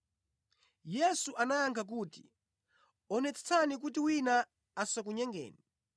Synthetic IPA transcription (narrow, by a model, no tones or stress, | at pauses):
jɛsuʔanajaŋkʰak̬uːti̥ | ɔnɛt͡sʰɛ̥t͡sʰanik̬ut̬iwina | asak̬uɲɛŋɡɛ̰ːni